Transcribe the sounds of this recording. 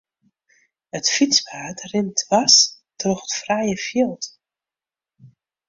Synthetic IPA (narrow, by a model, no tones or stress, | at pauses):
ətfit͡spaːtrɪntʰʋas | trɔxətfrajəfiəlˠt